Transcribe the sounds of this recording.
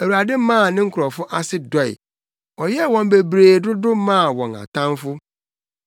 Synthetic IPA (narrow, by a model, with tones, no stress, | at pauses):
æ˨wu˨ɾa˨dɪ˦mã˦˨nɪ̃˦ŋ̩˦kʰʊ˨ɾɔ˨fʊ˦ʔa˦sɪ˦dɔ˦ɪ̰˨ | ɔ˨jɛ˦wɔ̃˨mbe˨bɾeː˨dʊ˦dʊ˦mã˦˨wɔ̃˨na̰˨tʰã˦nfʊ˦